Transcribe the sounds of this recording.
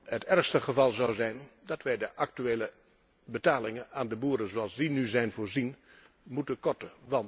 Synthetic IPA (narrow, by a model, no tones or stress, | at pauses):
ɦətɛɹχstəχəvɑlˠzɑwzɛjndɑtʋɛjdəʔɑk̚tyeːlə | bətaːlɪŋənaːndəbuːɾənzoɑlˠzdinyzɛjnvʊːɹzin | mutənkɔtəʋɑnt